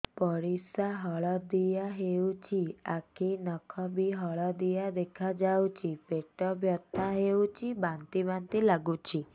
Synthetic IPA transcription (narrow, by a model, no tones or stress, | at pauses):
pɔɾisaɦɔɭɔd̪ijaɦewt͡ʃʰia̰kʰinɔkʰɔbiɦɔɭɔd̪ijad̪ekʰad͡ʒawt͡ʃʰipeʈɔbʱjɔt̪ʰaɦewt͡ʃʰibant̪ibant̪ilaɡut͡ʃʰi